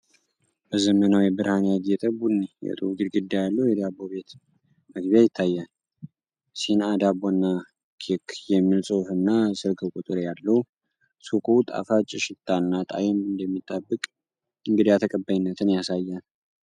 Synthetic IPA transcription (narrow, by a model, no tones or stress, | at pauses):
b̥əzəmənawjɛbɨɾhanjaɡɛt̪ʼəbunːijɛ̰t̪ʼuɡɨɾɡɨd̪ːajalːəwjɛd̪abːo̞be̞t̪ | məɡbijajɪt̪ʰːajːal | sihnad̪abonːa | kʰekjɛmːilsʼohfɨnːasɨlkʰɨkʷʼut̪ʼɨɾjalːəhu | sukʼut̪ʼa̰fat͡ʃʼɪʃɪt̪ʰːanːat̪ʼa̰jɛmɨnd̪əmːit̪ʼːəbːɨkʼ | ɨŋɡɨd̪ijat̪ʰəkʼəbːajɪnːət̪ʰɨnjasajːal